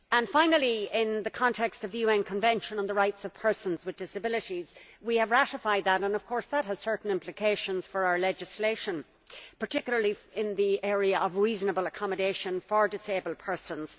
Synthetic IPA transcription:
ə̃nfãɪ̃nəlˠiɪ̃nðɨkʰɑ̃ntʰɛkstʌvðɨjʉɛ̃nkʰə̃ɱvɛ̃nʃə̃nə̃nðəɹaɪtsʌv̥pʰɜ˞sə̃nzwɨðdɪsəbɪlˠɨɾiz̥wiɨvɹæɾəfaɪd̪̚ðəɾə̃nʌv̥kʰɔɹsðət̚ɦəz̥sɜ˞ʔn̩ɪ̃mplɨkʰeɪʃə̃nz̥fə˞aʊə˞lɛd͡ʒɨsleɪʃə̃n | pʰə˞tʰɪkjl̩ˠə˞liɪ̃nðiʔɛɹiəʔʌvɹiznəbəlˠəkʰɑmədeɪʃə̃nfə˞dɨseɪbəlˠpʰɜ˞sə̃nz̥

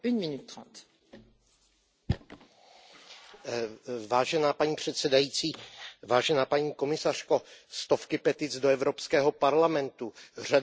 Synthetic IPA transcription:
ynminyt̪ːχɑ̰̃ːt̪ | vaːʒɛnaːpaɲiːpr̝̥ɛt̪sɛdajiːt͡siːvaːʒɛnaːpaɲiːko̞mɪsar̝̥kost̪ofkɪpɛt̪ɪd͡zdoɛvɾopskɛːɦopaɾlamɛnt̪ur̝a

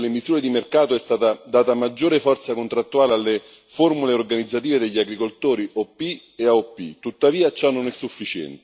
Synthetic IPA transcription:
lemisuːɾed̪imerkaːt̪oɛst̪aːt̪ad̪aːt̪amad͡ʒːoːɾefɔrt̪sakont̪ɾat̪ːuaːlealːe | formuleorɡanid̪zːat̪̬iːved̪eʎːiaɡɾikolt̪oːɾiʔɔpːi | eaɔpːḭt̪ut̪ːaviːat͡ʃanːonɛsːufːit͡ʃɛ̰nt̪

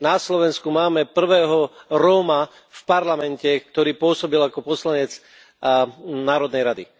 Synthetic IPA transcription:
naslɔʋɛnskumaːmɛpr̩ʋɛːɦɔɾɔma | fpaɾlamɛncɛkt̪ɔɾiːpʊɔsɔbilakɔpɔslaɲɛt͡s | naːɾɔd̪nɛjɾad̪ḭ

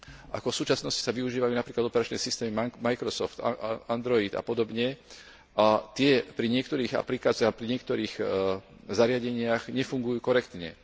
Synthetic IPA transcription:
ʔa̰kɔfsuːt͡ʃasnɔsci̥saʋiuʒiːʋajuːnapɾiːklad̪ɔpɛɾat͡ʃnɛ̰ːsist̪ɛːmimamajkɾɔsɔ̰ft̪and̪ɾɔid̪a̰pɔd̪ɔbɲɛ | ʔat̪ɪɛpɾiɲɪɛkt̪ɔɾiːɣa̰plikaːt͡siapɾiɲɪɛkt̪ɔɾiːɣ | zaɾɪaɟɛɲɪaɣɲɛfuŋɡujuːkɔɾɛkt̪ɲɛ̰

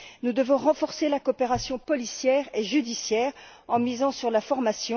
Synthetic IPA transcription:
nud̪əvɔ̃ʁɑ̃fɔʁselakɔpeʁasjɔ̃pɔlisjɛːʁeʒyd̪isjɛːʁ | ɑ̃mizɑ̃syʁlafɔʁmasjɔ̃

